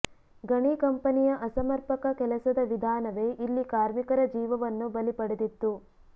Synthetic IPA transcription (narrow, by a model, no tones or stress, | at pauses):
ɡɐɳikɐmpɐnijɐʔɐsɐmɐɾpɐkɐkɛlɐsɐd̪ɐʋid̪ʱaːnɐʋe̞ːʔilːikaːɾmikɐɾɐd͡ʒiːʋɐʋɐnːubɐlipɐɽed̪it̪ːu